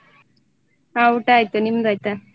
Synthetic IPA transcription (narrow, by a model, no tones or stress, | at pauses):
awuʈajt̪ənimd̪ajt̪a